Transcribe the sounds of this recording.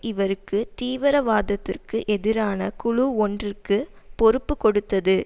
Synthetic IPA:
ɪʋɐɾɯkːɯt̪iːʋɪɾɐʋaːðɐt̪ːɪrkɯʔɛðɪɾaːnɐkʊɻuɔndrɪrkɯ | pɔɾɯpːɯkɔɽɯt̪ːɐðɯ

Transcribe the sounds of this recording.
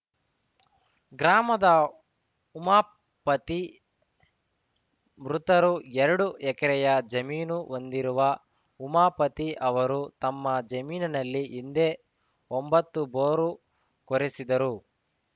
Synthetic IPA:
ɡɾaːmɐd̪ɐ | umaː | pɐt̪i | mɾut̪ɐɾuɛɾɐɽuɛkɐɾɛjɐd͡ʒɐmiːnuʔond̪iɾuʋɐ | umaːpɐt̪iʔɐʋɐɾut̪ɐmːɐd͡ʒɐmiːnɐnɐlːiʔind̪e̞ː | ombɐt̪ːuboːɾu | koɾesid̪ɐɾu

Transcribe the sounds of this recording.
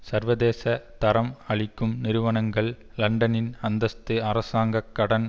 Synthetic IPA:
sɐɾʋɐðeːsɐt̪ɐɾɐmɐɭɪkːɯmnɪɾɯʋɐnɐŋɡɐɭ | lɐɳɖɐnɪnɐnd̪ɐst̪ɯɐɾɐsaːŋɡɐkːɐɽɐn

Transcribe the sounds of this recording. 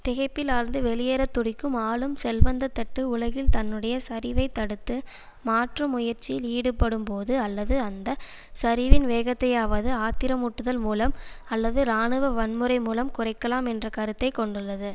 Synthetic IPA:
t̪ɪɣɐɪpːɪlaːɾnd̪ɯʋɛlɪjeːɾɐt̪ːʊɽɪkːɯmaːlɯmsɛlʋɐnd̪ɐt̪ːɐʈːɯʊlɐɣɪlt̪ɐnːɯɽɐjɐsɐɾɪʋɐɪt̪ːɐɽɯt̪ːɯ | maːʈrɐmʊjɐɾt͡ʃːɪjɪliːɽɯpːɐɽɯmpoːðɯɐlːɐðɯɐnd̪ɐ | sɐɾɪʋɪnʋeːɣɐt̪ːɐjaːʋɐðɯaːt̪ɪɾɐmʊʈːɯðɐlmuːlɐm | ɐlːɐðɯɾaːɳɯʋɐʋɐnmɯɾɐɪmuːlɐmkʊrɐɪkːɐlaːmɛndrɐkɐɾɯt̪ːɐɪkːɔɳɖɯɭːɐðɯ

